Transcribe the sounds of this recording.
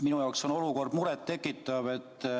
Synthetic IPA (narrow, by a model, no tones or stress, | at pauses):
minujɑokso̞no̞luko̞rd̪muɾet̪ːe̞kːˑit̪ːˑɑve̞t̪ː